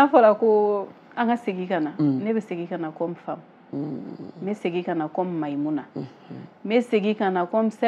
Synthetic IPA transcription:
afɔɾako | ãŋkaseɡikananebɛseɡikanakɔ̃mfãm | eseɡikanakɔmmaimũna | eseɡikanakɔ̃msɛ

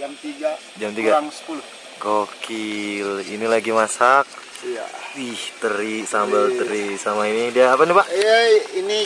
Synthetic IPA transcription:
d͡ʒamt̪iɡa | d͡ʒamt̪iɡɡaaŋsə̥pulu | ɡokilḭnilaɡimasak̚ | aiht̪əɾisambəlt̪əɾisamainidiaːpanipaʔini

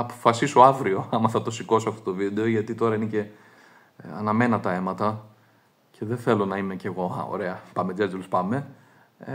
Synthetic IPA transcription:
ɐpo̥fɐsisoɐvɾio̞ɐmɐθɐt̪o̞siko̞soɐft̪o̞t̪ovid̪e̞oʝɐt̪it̪o̞ɾɐinece̞ | ɐ̰nɐme̞nɐt̪ɐe̞mɐt̪ɐ | cʰe̞ðeθe̞lo̞nɐimece̞ɣo̞ɐ̰o̰ɾe̞ɐpɐmed͡zeilspɐme̞

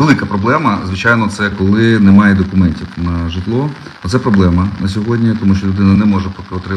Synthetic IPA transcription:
ʋelˠɪkɐpɾɔblˠɛmɐzʋɪt͡ʃajnɔt̪sɛkɔlˠɪnɛmɑjɛd̪ɔkʊmɛnʲtʲiwnɐʐɨt̪lˠɔ | ɔt̪sɛpɾɔblˠɛmɐnɐsʲɔɦɔdʲnʲit̪ɔmuʃt͡ʃɔlʲʊd̪ɪnɐnɛmɔʐɛpːt̪ɾɪ

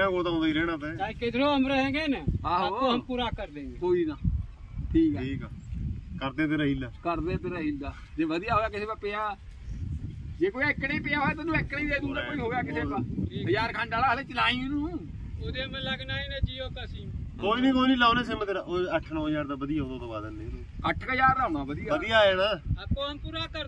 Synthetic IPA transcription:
ãːkoːt̪ãõd̪iːɾɛːɽãːt̪eaːiket̪ɾoːəmɾəɦɛːɡeːneaːɦoɦəmpuːɾaːkəɾd̪ẽːɡeːkoːiːnaː | ʈʰiːkɛiːkɛːkəɾd̪eːt̪eːɾaɦilaːkəɾd̪eːt̪eːɾaːɦilaː | d͡ʒeːʋəd̪ɪjaːɦoːɡaːkɪseːpaːpeãː | d͡ʒeːkoːiəkːɽeːpɪãːɦoːaːt̪anũːekːɽeiːd̪eːd̪uːaːkoːiːɦoːɡejaːkɪeːpaəjaːɾkʰãːɳɖaːlaːleːt͡ʃəlaːĩːnũːũː | od̪emɛ̃ːləɡnaːinaːd͡ʒiːoːk̪asiːkoːiːnĩːkoːinĩːlaːoneːs̬eːmːt̪eɾaːʔoəʈʰnɔ̃ːjaːɾd̪aːbəd̪ijaːõnãːt̪oːbaːd̪ənːeːoːəʈʰkəjaːɾnaːnãːʋəd̪ijaəd̪ijaːeːɽaːtoənpuɾaːkə

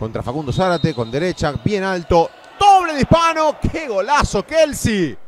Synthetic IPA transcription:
kont̪ɾafakund̪osaɾat̪ekond̪eɾet͡ʃabjenalt̪o | d̪oβleðihpanokʰeɣolasokelsi

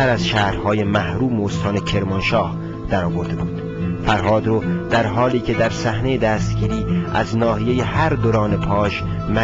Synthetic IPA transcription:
æɾæzʃæːhɾhɒːje̞mæhɾuːmeost̪ʰɒːne̞cʰe̞ɾmonʃɒːh | d̪̥æɾɒːvo̞ɾd̪e̞buːd̪̥ | fæɾɦɒːd̪ɾoːd̪̥æɾɦɒːliːcʰe̞d̪æɾsæhnejed̪æːst̪ɟiːɾiːæ̰znɒːhije̞jehæɾd̪oɾɒːnepʰɒːʃ | mæ

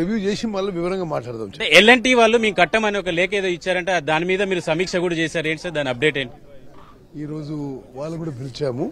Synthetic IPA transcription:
iʋjuːd͡ʒeːsinʋɐːlːɐʋiʋɐɾɐŋɡaːmaːʈlaːɽt̪amt͡ʃːelːɐɳʈiːʋaːɭːumiːukɐʈːɐmɐniɔkɐlɛːkɐeːd̪oːit͡ʃːaːɾɐɳʈeːd̪aːnimiːd̪ɐmiːɾusɐmiːkʂɐkuːɽɐt͡ʃeːsaːɾeːɳʈisaːɾd̪aːniɐp̚ɖe̞ːʈeːɳʈi | iːɾoːd͡ʒuʋaːɭːɐkuːɽaːpilt͡ʃaːmu

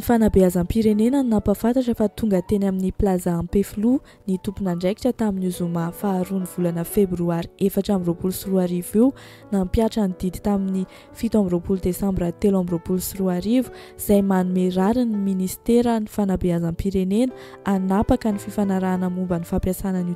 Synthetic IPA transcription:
nifanabeazampiɾenenanapafant̪aʈ͡ʂəfat̪uŋɡət̪enaminiplazaːmpeflu | nit̪upunaɳɖ͡ʐajki̥ʈ͡ʂət̪aminuzumafaːɾuniv̥ulanəfebruaɾi̥efaʈ͡ʂambiropulusiruaɾivew | nampjaʈ͡ʂanid̪̥id̪i̥t̪amini | fit̪ambiɾopuld̪esãmbrat̪elambiɾopulusiruaɾivu̥ | z̥ajmanumeɾaɾiniminist̪eɾənifanabeazampiɾenenə̥ | anapakənififanaɾaːnamumbənifapjasanəni

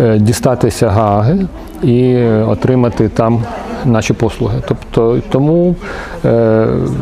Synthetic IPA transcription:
dʲist̪ɑt̪ɪsʲɐɦɑɦɪ | iɔt̪ɾɪmɐt̪ɪt̪ɑmnɑʃʲipɔslˠʊɦɪt̪ɔpt̪ɔt̪ɔmu

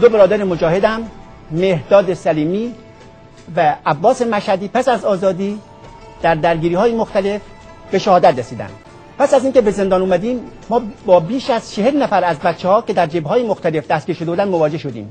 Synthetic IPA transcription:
d̪obeɾɒːd̪æɾemod͡ʒɒːhe̞d̪æmː | ehd̪ɒːd̪esæliːmiː | væːbːɒːse̞mæʃhæd̪iːpʰæsæzɒːzɒːd̪iː | d̪̥æɾd̪æɾɡiːɾiːhɒːjemoxt̪æle̞f | be̞ʃæhɒːd̪æt̪ɾesiːd̪æ̰nd̪ | pʰæsæziːŋkʰe̞be̞ze̞nd̪ɒːnuːmæd̪iːmː | ɒːbɒːbiːʃæz̥t͡ʃʰehelnæfæɾæzbæt̪t͡ʃʰːehɒːke̞d̪æɾd͡ʒebhɒːjemoxt̪æle̞fd̪æst̪ɡ̥ʲiːɾʃod̪eud̪ænmovɒːd͡ʒe̞hʃod̪ḭːm

